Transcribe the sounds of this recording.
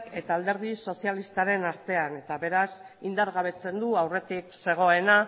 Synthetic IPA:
ke̞t̪aːld̪e̞ɾðiso̞sialist̪aɾe̞naɾt̪e̞ane̞t̪aβe̞ɾas | ind̪aɾɣaβ̞e̞t͡se̞nd̪uawre̞t̪ikse̞ɣ̞o̞e̞na

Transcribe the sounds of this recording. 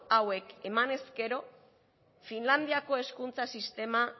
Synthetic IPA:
awe̞ke̞mane̞ske̞ɾo̞ | finland̪iako̞e̞skunt͡sasist̪e̞ma

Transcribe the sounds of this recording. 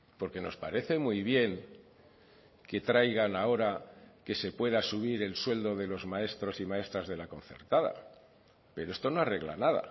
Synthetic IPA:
po̞ɾke̞no̞̰spaɾeθe̞mujβ̞je̞ŋ | ke̞t̪ɾajɣanao̞ɾake̞se̞pwe̞ðasuβ̞iɾe̞lswe̞ld̪o̞ðe̞lo̞zmae̞st̪ɾo̞simae̞st̪ɾazðe̞lako̞n̟θe̞̰ɾt̪aða̰ | pe̞ɾo̞e̞st̪o̞no̞are̞ɣla̰naða̰

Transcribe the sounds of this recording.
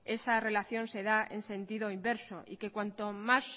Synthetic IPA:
esare̞laθjo̞nse̞ðaḛnsẽ̞nt̪iðoimbeɾsoʔike̞kwant̪omas

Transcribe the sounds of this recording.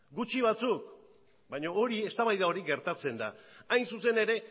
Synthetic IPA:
ɡut͡ʃiβ̞at͡suk | bajɲo̞oɾie̞st̪aβajðao̞ɾiɡe̞ɾt̪at͡se̞nd̪aajnsuse̞ne̞ɾe̞

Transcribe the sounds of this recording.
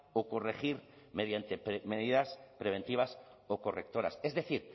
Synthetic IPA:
oko̞rexiɾ | meðjant̪e̞pmeðiðaspɾe̞β̞e̞nt̪iβ̞asoko̞rek̚t̪o̞ɾa̰sezðe̞θiɾ

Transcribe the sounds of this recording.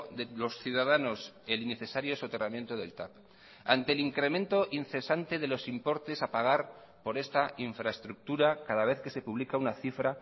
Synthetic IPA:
ðelo̞sθjuðaðano̞se̞line̞θe̞saɾjo̞sot̪e̞ramjent̪oðe̞̰lt̪ap | a̰nt̪e̞liŋkɾe̞mẽnt̪o̞ʔinθe̞sant̪e̞ðe̞lo̞simpo̞ɾt̪e̞sapaɣ̞aɾ | po̞ɾe̞st̪aʔiɱfɾaest̪ɾuk̚t̪uɾakaðaβ̞e̞θke̞se̞puβlikaunaθifɾa

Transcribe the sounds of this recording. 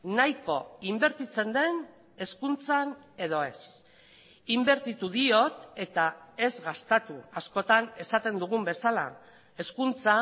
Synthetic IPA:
najko̞imbe̞ɾt̪it͡se̞nd̪e̞n | e̞skunt͡san | e̞ð̞o̞e̞s | imbe̞ɾt̪it̪uðio̞t̪e̞t̪ae̞zɣast̪at̪uasko̞t̪ane̞sat̪e̞nd̪uɣ̞umbe̞sala̰ | e̞skunt͡sa

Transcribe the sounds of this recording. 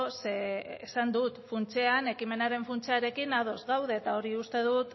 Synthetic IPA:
sesand̪ut̪funt͡se̞ane̞kime̞naɾe̞ɱfunt͡seaɾe̞kinaðo̞zɣawðe̞ːt̪ao̞ɾiust̪e̞ð̞ut̪

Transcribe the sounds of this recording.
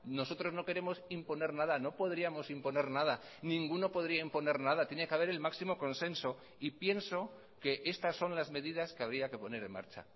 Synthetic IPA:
no̞so̞t̪ɾo̞zno̞ke̞ɾemo̞simpo̞ne̞ɾnaðano̞po̞ðɾiamo̞simpo̞ne̞ɾnað̞a | nĩŋɡuno̞po̞ðɾiaimpo̞ne̞ɾnaðat̪je̞ne̞keaβe̞ɾe̞lmaksimo̞ko̞nse̞nso̞ | ipje̞nso̞ | ke̞ʔe̞st̪asːo̞nlazme̞ðið̞askeaβ̞ɾiake̞po̞ne̞ɾe̞nma̰ɾt͡ʃa̰

